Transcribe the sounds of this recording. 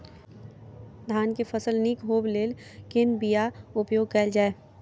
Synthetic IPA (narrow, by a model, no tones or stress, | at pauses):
d̪ʱaːnkefəsəlnikɦoːbleːlkɪnbijaʊpjoːɡ̚kɐld͡ʒaːeː